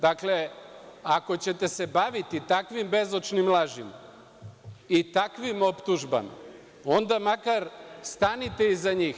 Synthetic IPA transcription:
d̪akle̞ako̞t͡ɕe̞t̪e̞se̞baʋit̪it̪akʋimbe̞zo̞t͡ʃnimlˠaʒima̰ | it̪akʋimo̞pt̪uʒba̰ma̰ | o̞nd̪amakaɾst̪anit̪e̞izaɲiːx

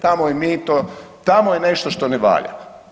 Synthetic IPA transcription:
t̪amojemit̪ot̪amojeneʃt̪oʃt̪oneʋa̰ʎa̰

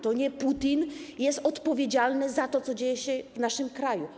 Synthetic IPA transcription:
t̪ɔɲɛput̪injɛst̪ɔt̪pɔvʲjed͡ʑalnɘzat̪ɔt̪sɔd͡ʑejɛɕɛvnaʂɘmkɾaju

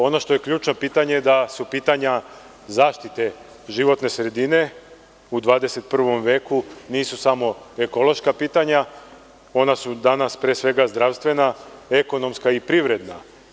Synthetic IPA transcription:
o̞no̞ʃt̪o̞je̞kʎuːt͡ʃno̞piːt̪aɲed̪asupiːt̪aɲa | zaːʃt̪it̪e̞ | ʒiʋo̞t̪ne̞sɾe̞d̪ine̞ | ud̪ʋaːd̪e̞se̞t̪̚pr̩ʋo̞mʋe̞ːkuniːsusamo̞e̞ko̞lo̞ʃkapiːt̪aɲa | o̞nasud̪anaspɾeːsʋe̞ɡazd̪ɾaʋst̪ʋe̞nae̞ko̞no̞mskaipɾiʋɾe̞d̪na

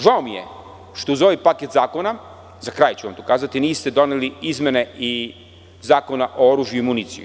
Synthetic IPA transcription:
ʒaomijḛ | ʃt̪ouzo̞ʋipaket̪zaːko̞na | zakɾajt͡ɕuʋamt̪okaːzat̪iniːst̪ed̪o̞neliizmʲene̞i | zaːko̞naʔooɾuːʒjuimunit̪sḭjṵ

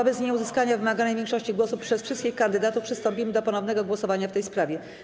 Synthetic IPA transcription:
ɔvəzɲɛuzɘskaɲavɘmaɡanɛjvʲjɛŋkʂɔɕt͡ɕiɡwɔsupʂɛsfʂɘst̪kʲixkand̪ɘd̪at̪ufpʂɘst̪ɔmpʲimɘd̪ɔpɔnɔvnɛɡɔɡwɔsɔvaɲaft̪ɛjspɾavʲjɛ

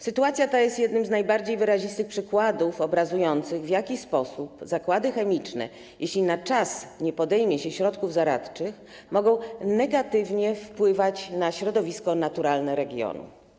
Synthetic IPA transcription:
sɘt̪uat̪sʲjat̪ajɛst̪jɛd̪nɘmznajbaɾd͡ʑejvɘɾaʑist̪ɘxpʂɘkwad̪ufɔbɾazujɔnt̪sɘɣvjakʲispɔsupzakwad̪ɘxɛmʲit͡ʂnɛ̰ | jʔeɕlʲinat͡ʂasɲɛpɔd̪ɛjmʲjɛɕɛɕɾɔt̪kuvzaɾa̰t̪t͡ʂɘx | mɔɡɔ̃w̃nɛɡat̪ɘvɲɛfpwɘvat͡ɕnaɕɾɔd̪ɔvʲiskɔnat̪uɾalnɛɾɛɡʲjɔ̰nṵ

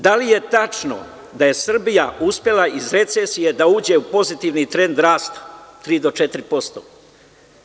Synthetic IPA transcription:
d̪alije̞t̪at͡ʃno̰ | d̪aje̞sr̩bijaʔuspje̞lˠaizɾe̞t̪seːsije̞d̪auːd͡ʑe̞upo̞zit̪iʋnit̪ɾe̞nd̪ɾaːst̪ḁt̪ːɾiːd̪o̞t͡ʃe̞t̪iɾipo̞st̪oː

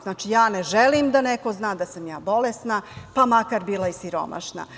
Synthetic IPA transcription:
znaːt͡ʃijaːneʒelimd̪aneko̞znaːd̪asamjaːbo̞lest̪napamakaɾbiːlˠaisiɾo̞̰ma̰ʃna̰

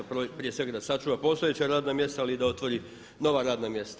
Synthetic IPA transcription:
pɾopɾije̞sʋe̞ɡad̪asat͡ʃuːʋapo̞st̪oje̞t͡ɕaɾaːd̪namje̞st̪aalid̪ao̞t̪ʋo̞ɾi | no̞ʋaɾaːd̪namje̞st̪a

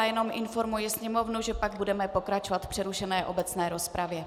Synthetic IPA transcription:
ajɛno̞mʔɪnfo̞ɾmujɪsɲɛmo̞vnuʒɛpaɡ̚budɛmɛpo̞kɾat͡ʃovat̪fpr̥ɛɾuʃɛnɛːʔo̞bɛt͡snɛːɾo̞spɾavjɛ

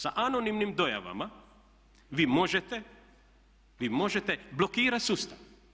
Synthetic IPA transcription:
saʔano̞nimnimd̪o̞ja̰ʋa̰ma | ʋiːmo̞ʒet̪e | ʋiːmo̞ʒet̪eblo̞kiːɾat̪sust̪aʋ

